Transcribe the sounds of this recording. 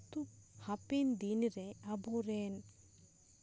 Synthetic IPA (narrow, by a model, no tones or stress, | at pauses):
t̪uhɐpend̪iniɾeɐboːɾen